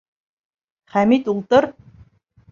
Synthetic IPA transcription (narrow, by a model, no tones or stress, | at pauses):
χæmit̪ult̪ər